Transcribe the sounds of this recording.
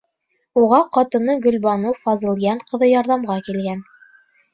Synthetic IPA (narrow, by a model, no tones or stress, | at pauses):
uʁɑqɑt̪ɤ̆nɤɡɵ̆lbɑnɤwfɑzɤ̆lˠjɑɴqɤ̆ðɤjɑɾðɑmʁɑkilɡæn